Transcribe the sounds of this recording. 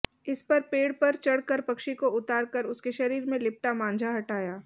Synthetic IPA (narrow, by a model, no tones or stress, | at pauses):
ɪspɐɾpeːɽpɐɾt͡ʃɐɽkəɾpɐkʃikoʊt̪aːɾkɐɾʊskeʃɐɾiːɾmẽlɪp̚ʈamãːnd͡ʒʱaɦɐʈaːjaː